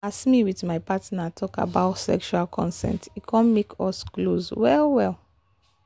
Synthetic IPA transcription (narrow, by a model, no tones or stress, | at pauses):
asmiwiðmajpatnatʰɔka̰baʊtsɛ̰kʃualkʰɔ̃nsɛ̰̃ntitkʰɔ̃nmekʰɔskloswɛlwɛl